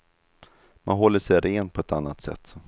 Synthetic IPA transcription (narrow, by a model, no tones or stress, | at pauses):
ma̰nɦɔlːəʂɛjɾeːnpʰɔɛt̪anːat̪sɛ̰t̪ː